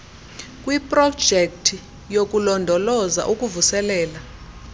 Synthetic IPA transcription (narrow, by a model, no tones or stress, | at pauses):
kʼwipʼrɔ̥ʒ̥ʱek̚tʰi | jok̬ʼulɔndʱɔlɔza̰ʔuk̬ʼuvusɛlɛːla